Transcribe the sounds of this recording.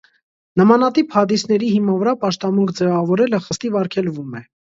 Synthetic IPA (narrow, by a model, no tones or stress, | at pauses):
nəmɑnɑt̪iphɑd̪isn̪ɛɾihimɑnvəɾɑpɑʃt̪ɑmuŋkʰd͡zɛvɑvɔɾɛləχəst̪ivɑɾkʰɛlvumɛ